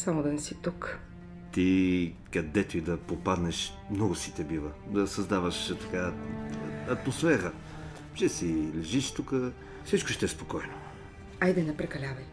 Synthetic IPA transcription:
samod̪ɐnɛsit̪uk | t̪ikɐd̪ɛt̪oid̪ɐpopad̪nɛʃ | mnɔɡʊsit̪ɛbivəd̪ɐsɐzd̪avəʃt̪ɐ̥ka | ɐt̪mosfɛɾə | ʒɛsilɛʒiʃt̪ukə | fsit͡ʃkoʃt̪ɛspokɔjno | ajd̪ɛnɐpɾɛkɐlʲavɐj

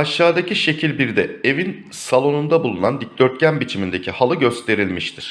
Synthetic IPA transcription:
aʃaːd̪acʰiʃe̞cʰilʲbiɾd̪ɛe̞vin | salˠo̞nund̪abulˠunand̪ic̚d̪øɾt̪̚cʰænbit͡ʃʰimind̪e̞cʰihalˠɯɟø̞st̪ʰe̞ɾilʲmiʃt̪ʰiɾ̥

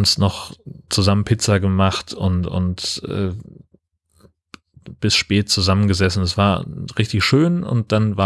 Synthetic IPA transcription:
snɔχt͡suzamənpʰɪt͡sɐɡəmaχtʰʊ̰ntʊ̰ntʔɛ̰ː | b̥ɪsʃpɛːt̚t͡suzamənɡəzɛsn̩ɛsv̥aːɐʁɪçtɪçʃøːnʊ̰nt̚d̥anvaː

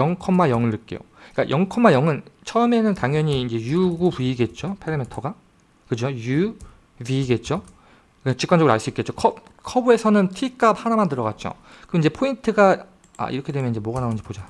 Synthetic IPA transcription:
jʌŋkʰʌmːajʌŋɯɭːɯk͈ejo̰ | k͈a̰jʔʌŋkʰʌmːajʌŋɯnt͡ɕʰʌʌme̞nɯntaŋjʌɲiːnd͡ʑe̞juɡupuiɡe̞t̚t͡ɕ͈opʰeɾemetʰʌɡa | kɯd͡ʑoju | bɥiːɡe̞t̚t͡ɕ͈o | k͈at͡ɕik͈and͡ʑʌɯɾuaɭs͈uik͈e̞t͡ɕ͈okʰʌp̚kʰʌbue̞sʰʌnɯntʰik͈ap̚hanamandɯɾʌɡat̚t͡ɕ͈o̰ | kɯind͡ʑe̞pʰointʰɯɡa | a̰ḭɾʌkʰe̞demjʌniɲd͡ʑemwoɡanaond͡ʑi̥pod͡ʑa

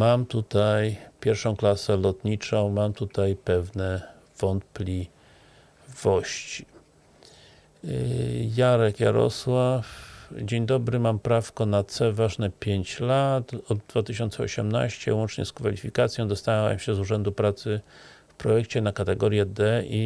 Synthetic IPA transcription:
mamt̪ut̪ajpʲjɛɾfʂɔ̃w̃klasɛlɔt̪ɲit͡ʂɔ̃w̃mamt̪ut̪ajpɛvnɛ | v̥ɔnt̪̚plʲi | v̥ɔɕt͡ɕi̥ | jaɾɛkja̰ɾɔ̰swafd͡ʑeɲd̪ɔbɾɘmampɾafkɔnat̪sɛvaʐnɛpʲjeɲt͡ɕlat̪ɔd̪ːvat̪ɘɕɔnt̪sɛɔ̰ɕɛmna̰ɕt͡ɕɛ̰wɔnt͡ʂɲɛ̰skfalʲifʲikat̪sʲjɔ̃d̪ɔst̪aawɛ̰mɕɛzuʐɛnd̪upɾat̪sɘ | fpɾɔjɛkt͡ɕɛnakat̪ɛɡɔɾʲjɛd̪ɛi

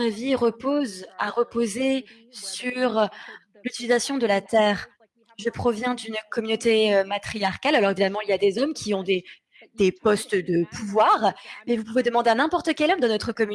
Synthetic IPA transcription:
aviʁəpozaʁəpoze | syʁ | lyt̪ilizasjɔ̃d̪əlat̪ɛːʁ | ʒəpχɔvjɛ̃d̪ynkɔmynot̪eømat̪χijaʁkʲalalɔʁevid̪amɑ̃iljad̪ezɔmkʲiɔ̃d̪e | d̪̥epɔst̪d̪əpuvwaːʁmɛvupuved̪əmɑ̃d̪eɛ̃nɛ̃pɔʁt̪əkʲɛlɔmd̪ɑ̃nɔt̪χəkɔmy

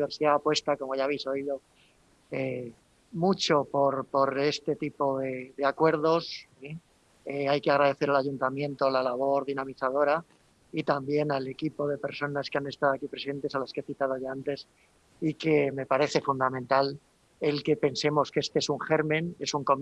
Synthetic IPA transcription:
βe̞ɾsiðaːpwe̞st̪ako̞mo̞ʝaβejso̞iðo̞ | e | mut͡ʃo̞po̞ɾpo̞ɾe̞st̪e̞t̪ipo̞ðe̞ðe̞akwe̞ɾð̞o̞si | eajke̞aɣ̞ɾað̞e̞θe̞ɾalaʝunt̪amjẽ̞nt̪olalaβ̞o̞ɾðinãmiθaðo̞ɾa | it̪ambje̞nale̞kipo̞ðe̞pe̞ɾso̞naskeane̞st̪aðoakipɾesiðent̪e̞salaskee̞θit̪aðo̞ʝaant̪e̞s | ike̞me̞paɾe̞θe̞fund̪amẽnt̪al | e̞lke̞pe̞nse̞mo̞skeest̪eesuŋχe̞ɾmẽ̞ne̞suŋko̞m

